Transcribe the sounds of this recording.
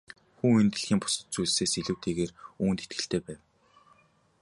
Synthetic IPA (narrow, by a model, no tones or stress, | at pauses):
xuːent̪̆ɮ̆xʲiːmpʊ̥sə̆t̪̚t͡sujɮseːsiɮŭwt̪ʰeːɣeːruːnt̪et̪̚ɡɘ̆ɬt̪ʰeːpæːw